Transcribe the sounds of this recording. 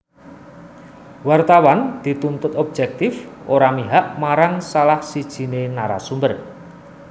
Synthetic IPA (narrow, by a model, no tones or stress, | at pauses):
wart̪awand̪̥i̤t̪unt̪ʊt̪ɔb̥̚d͡ʒɛk̚t̪ɪfʔoɾamiɦaʔmaɾaŋsalahsid̥ʒ̥i̤nenaɾa̰sumbər